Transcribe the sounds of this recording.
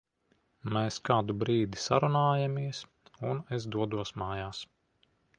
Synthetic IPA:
meːskaːd̪ubɾiːd̪isa̰ɾunaːjamʲiɛs | unez̬d̪uɔd̪uɔsmaːjaːs

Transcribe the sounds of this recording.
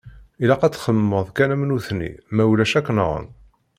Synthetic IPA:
ilæqæt͡sːχəmːəðˤkænæmnuθnḭmæwlæʃækːnəʁə̰n

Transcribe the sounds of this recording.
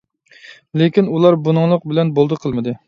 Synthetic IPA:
lekʲinulˠɑɾbunɨŋlˠəq̚bɪlɛnbolˠd̪ɨqʰəlˠmɨd̪ɨ

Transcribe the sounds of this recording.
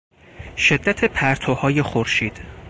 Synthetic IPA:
ʃe̞d̪ːæt̪ʰepʰæɾt̪ʰohɒːje̞xoɾʃiːd̪̥

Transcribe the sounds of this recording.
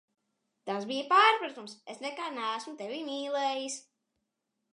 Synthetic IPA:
t̪asbijəpaːɾpɾat̪umsesnɛkaːnæːsmut̪evimiːlˠɛːjisʲ

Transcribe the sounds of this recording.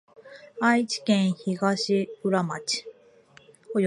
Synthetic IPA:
ait͡ɕi̥kẽɰ̃çiɡaɕiɯ̟ɾamat͡ɕi̥ | oj

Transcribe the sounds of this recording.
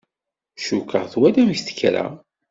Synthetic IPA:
ʃukːəʁθwælæmçθə̥kːɾa̰

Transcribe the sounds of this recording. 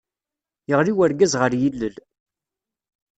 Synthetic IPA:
jəʁliwəɾɡæzʁəɾjilːəl

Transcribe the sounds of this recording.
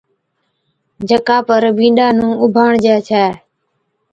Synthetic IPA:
d͡ʒəkaːpəɾbĩːɗaːnũːʊbʱaːɳd͡ʒaːt͡ʃʰaː

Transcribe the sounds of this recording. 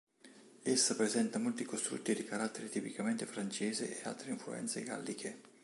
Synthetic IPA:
esːapɾezɛnt̪amolt̪ikost̪ɾṵt̪ːid̪ikaɾat̪ːeɾet̪ipikament̪efɾant͡ʃeːzḛʔea̰lt̪ɾeiɱflṵɛ̰nt̪sḛɡa̰lːikʰe

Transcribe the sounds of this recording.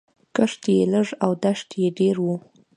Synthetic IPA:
kəʂt̪jeləʐawd̪aʂt̪jeɖeɾwu

